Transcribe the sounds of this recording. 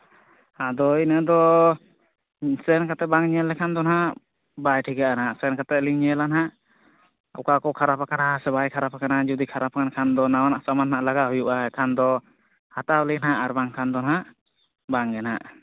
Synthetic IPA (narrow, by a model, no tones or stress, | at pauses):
ad̪ɔinad̪ɔ | sɛnkat̪ɛbaŋɲɛlːɛkʰand̪ɔnɦa | bajʈʰikaʔanaʔsɛnkat̪ɛliŋɲɛlanɦaʔ | ɔ̰kakɔkʰaɾapakanasɛβajkʰaɾapakanad͡ʒud̪ikʰaɾap̚akankʰand̪ɔnawanaʔsamanɦaʔlaɡaɦujuʔaɛkʰand̪ɔ | hat̪ablinaʔaɾbaŋkʰand̪ɔnɦaʔ | baŋɡɛna̰ʔ